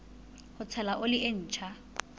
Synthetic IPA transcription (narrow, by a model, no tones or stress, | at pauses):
hʊt͡sʰɛlaʔʊlɪʔen̩ːt͡ʃʰa